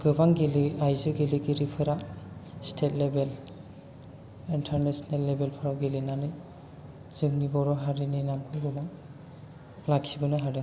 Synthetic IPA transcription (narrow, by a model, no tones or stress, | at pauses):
ɡ̥ɯbaŋɡeliajzɯɡeliɡiɾipʰɯɾastʰet̚lebel | intʰaɾnesɔnelːebelpʰɯɾawɡelinanɯj | z̥ɯŋnibɔwɾɔɦaɾininamkʰɯjɡɯbaŋ | laksibɯnɯɦaɾɯ